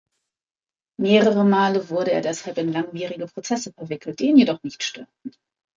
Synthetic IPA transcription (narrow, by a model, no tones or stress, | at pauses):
meːʁəʁəmaːləvʊɐɾəḛːɐdɛshalpɪnlaŋviːʁɪɡəpʁ̥ot͡sɛsəfɛɐvɪkʰl̩t̚d̥iːnjedɔχnɪçtʃtøɐt̚n̩